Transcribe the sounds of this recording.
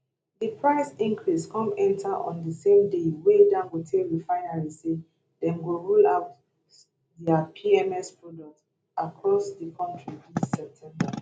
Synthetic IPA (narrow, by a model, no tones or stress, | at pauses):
dipʰɹaɪsĩŋkɹiskɔ̃mɛ̃ntʰaʔɔ̰̃ndəsẽmdewedãnɡotʰeɹifaɪnaɹise | dɛ̃nɡoɹulaʊt | dɛapʰiɛmɛspɹɔdɔk̚t | akʰɹɔsdikʰɔ̃ntɹiĩsɛp̚tʰɛ̃mba